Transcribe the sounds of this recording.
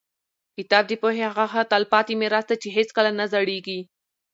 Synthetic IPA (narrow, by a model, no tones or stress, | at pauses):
kɪt̪ɑb̚d̪əpoɦehaɣaxat̪ɑlpɑt̪imeɾasd̪at͡ʃeɦeskəlanazaɽeɡi